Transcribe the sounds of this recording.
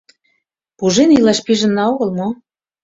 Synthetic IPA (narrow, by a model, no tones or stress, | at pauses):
puʒenilɑʃpiʒə̆nːɑoɣɤ̆lmo